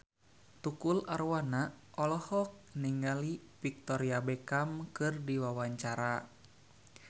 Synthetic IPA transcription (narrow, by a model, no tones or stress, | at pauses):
t̪ukularwanaʔɔlɔhɔk̚niŋɡalifik̚t̪ɔɾiabɛkamkɨrdiwawaɲt͡ʃaɾa